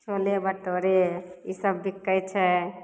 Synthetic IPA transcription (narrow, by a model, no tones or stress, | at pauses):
t͡ʃʰolebəʈoɾeisəbːikːət͡ʃʰɛ